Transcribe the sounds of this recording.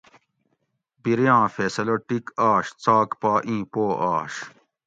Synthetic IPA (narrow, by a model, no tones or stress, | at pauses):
biɾjãːfeːsɐloʈikaːɕt͡saːkpaːʔĩːpoːʔaːɕ